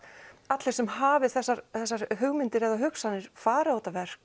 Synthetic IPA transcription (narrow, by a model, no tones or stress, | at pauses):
at̪lɛɾsɛmɦaːvɪθɛsːaɾθɛsːaɾɦʏɣmɪnt̪ɪɾɛðaɦʏksanːɪɾ̥faːɾɪawt̪avɛr̥k